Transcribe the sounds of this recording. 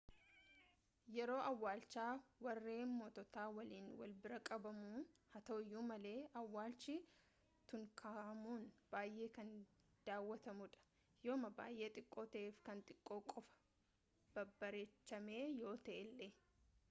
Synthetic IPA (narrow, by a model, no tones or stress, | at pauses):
jɛɾo̞ːʔɐwːaːlt͡ʃaːwɐrːe̞ːmo̞ːt̪ɔt̪aːwɐliːnwɐ̰lbɪɾɐkʼɐbɐmuːhɐt̪ɐɪjːuːmɐle̞ːʔɐwːaːlt͡ʃi | t̪ʊŋkʰaːʔɐmuːnb̥aːjʔe̞ːkɐn | d̪̥aːwːɐt̪ɐmʊᶑɐ̥ | joːmɐba̰ːjʔe̞ːt̪ʼɪkʼːo̞ːt̪ɐʔeːfkɐnt̪ʼɪkʼːo̞ːkʼɔfɐ̥ | b̥ɐbːɐɾeːt͡ʃːɐme̞ːjo̞ːt̪ɐʔɛlːe